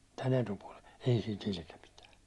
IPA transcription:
tæn etupuɒlen̞ ei sit ilke pitæː

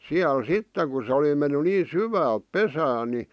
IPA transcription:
siæl sitːeŋ̆ ku sĕ oli j̆ŏ menːy niː syʋæːlp̆ pesæːn̆ ni

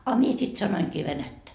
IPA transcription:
ɑ mie sit sɑnoiŋkiː ʋenætːæ

